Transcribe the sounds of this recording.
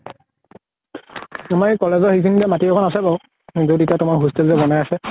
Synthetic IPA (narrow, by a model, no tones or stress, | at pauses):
amajkɔlɛzɔhikindɛmatiɔkʰɔnasɛbɔ | zetitiatʊmakɦustɛlzɛbɔnajasɛ